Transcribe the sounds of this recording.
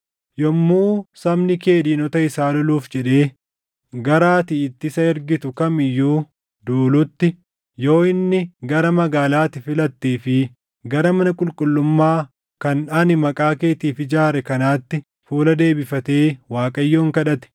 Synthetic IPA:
jɔmːuːsɐmnɪke̞ːd̪iːnɔt̪ɐɪsaːlɔluːfd͡ʒɛᶑe̞ː | ɡɐɾaːt̪ɪːt̪ːɪsɐɛɾɡɪt̪ʊkɐmɪjːuː | d̪uːlʊt̪ːɪ | jo̞ːɪnːɪɡɐɾɐmɐɡaːlaːt̪ɪfɪlɐt̪ːiːfɪ | ɡɐɾɐmɐnɐkʼʊlkʼʊlːʊmːaː | kɐnᶑɐnɪmɐkʼaːke̞ːt̪iːfɪd͡ʒaːɾɛkɐnaːt̪ːɪ | fuːlɐd̪e̞ːbɪfɐt̪e̞ːwaːkʼɐjːoːŋkɐᶑɐt̪ɛ̥

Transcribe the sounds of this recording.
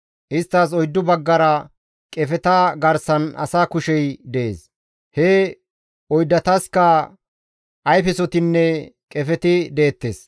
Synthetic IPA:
ʔɪst̪ːɐs̬ɔjd̪ːʊbɐɡːɐɾɐ | kʼɛfɛt̪aɡɐɾsɐnɐ̰saːkʊʃɛjd̪ɛʔḛːs | hɛ | ɔjd̪ːɐt̪ɐskɐ | ʔɐjfɛsɔt̪ɪnːɛkʼɛfɛt̪ɪd̪eːt̪ːeːs

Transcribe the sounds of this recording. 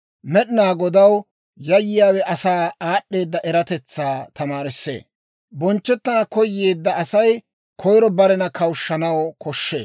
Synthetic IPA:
mɛɗnaːɡɔd̪ɐw | jɐjːɪjaːwɛʔɐsaːaːɗːe̞ːd̪ːɐʔɛɾɐt̪ɛt͡sːaːt̪ɐmaːɾɪsːḛː | bɔnt͡ʃːɛt̪ːɐnɐkɔjːe̞ːd̪ːɐɐsɐj | kʰɔjɾɔbɐɾɛnɐkɐwʃːɐnɐwkʰɔʃːḛː

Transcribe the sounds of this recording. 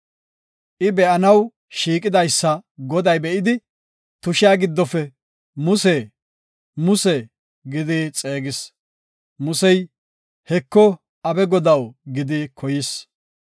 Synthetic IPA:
ʔɪbɛʔɐnɐw | ʃiːkʼɪd̪ɐjsːɐɡɔd̪ɐjbɛʔɪd̪ɪ | t̪ʊʃɪjaːɡɪd̪ːɔfɛ | mʊseː | mʊsɛ | ɡɪd̪ɪt͡sʼeːɡɪs | mʊsɛj | hɛkːɔ | ɐbɛɡɔd̪ɐwɡɪd̪ɪkʰɔjɪs

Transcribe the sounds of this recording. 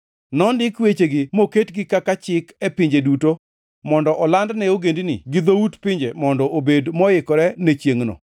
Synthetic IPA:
nɔndɪkwet͡ʃeɡɪmoketɡɪkakat͡ʃɪkɛpɪɲd͡ʒeduto | mɔndɔʔɔlandnɛoɡendinɪ̰ɡɪd̪outpɪɲd͡ʒemɔndɔʔobedmɔɪkɔɾɛnɛt͡ʃjeŋno̰

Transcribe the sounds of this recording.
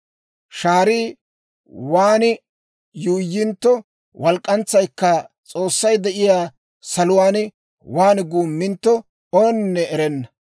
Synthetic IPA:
ʃaːɾiː | waːnɪ | juːjːɪnt̪ːɔ | wʔɐlkʼːɐnt͡sːɐjkːɐt͡sʼoːsːɐjd̪ɛʔɪjaː | sɐlʊwaːn | waːnɡuːmːɪnt̪ːɔ | oːnnːɛɛɾɛnːɐ

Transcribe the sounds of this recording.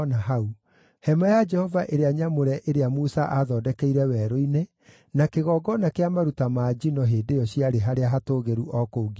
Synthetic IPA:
naɦau | hɛmajad͡ʒɛhɔvaʔeɾeaɲamoɾɛʔeɾeamusaʔaðɔːdɛkɛiɾɛwɛːɾoine | nakeɣɔːɡɔnakeamaɾutamaːd͡ʒinɔɦeːdejɔɕiaɾeɦaɾeaɦatoːɣeɾuʔɔkouɡi

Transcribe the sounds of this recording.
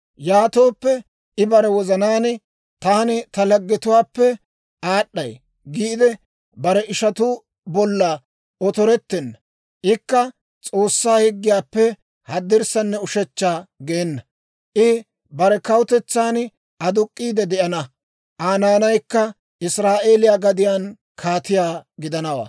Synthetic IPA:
jaːt̪o̞ːpːɛ | ʔɪbɐɾɛwɔzɐnaːn | t̪aːnɪt̪ɐlɐɡːɪt̪ʊwaːpːɛ | ʔaːɗːɐj | ɡiːd̪ɛ | bɐɾɛʔɪʃɐt̪ʊ | bɔlːɐ | ɔt̪ɔɾɛt̪ːɛnːɐ | ʔɪkːɐ | t͡sʼo̞ːsːaːhɪɡːɪjaːpːɛ | hɐd̪ːɪɾsɐnːɛʊʃɛt͡ʃːaːɡeːnːɐ | ʔɪ | bɐɾɛkɐwʊt̪ɛt͡sːaːn | ʔɐd̪ʊkʼːiːd̪ɛd̪ɛʔɐnɐ | ʔaːnaːnɐjkːɐ | ʔɪsɾaːʔe̞ːlɪjaːɡɐd̪ɪjaːn | kʰaːt̪ɪjaːɡɪd̪ɐnɐwa̰ː

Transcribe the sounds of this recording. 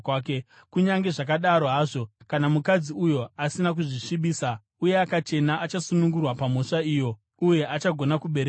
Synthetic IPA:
ke | kuɲaŋɡe̞ʐak̬aɗaɾo̞ɦaːʐo̞kanamukad͡ziujo̞asinak̬uʐiʂiɓiːsa | uje̞akat͡ʃe̞naʔat͡ʃasunuŋɡurwapamo̞ʂaiːjo̞ | uje̞ʔat͡ʃaɡʱo̞nakuɓe̞ɾe

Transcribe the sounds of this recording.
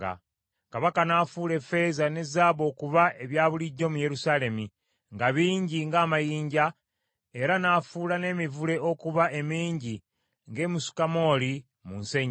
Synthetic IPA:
a̰ | kaβakanaːfuːle̞fe̞ːzane̞zaːβo̞ːkuβae̞βjaːβuliɟːo̞ːmuje̞ɾusaːle̞mi | ŋɡaβiːɲɟiŋɡaːmajiːɲɟa | e̞ɾanaːfuːlane̞ːmivule̞ʔo̞kuβae̞miːɲɟi | ŋɡe̞ːmusu̥kamo̞ːli | munseɲ

